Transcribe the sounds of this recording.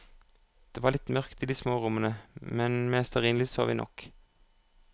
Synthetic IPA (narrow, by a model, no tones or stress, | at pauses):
d̪̥eːʋɑːʁlɪt̪mœʁkt̪iːd̪iːsmoːʁʊmənəmɛnmeːst̪ɑʁiːnlɪso̰ːʋḭːnɔ̰k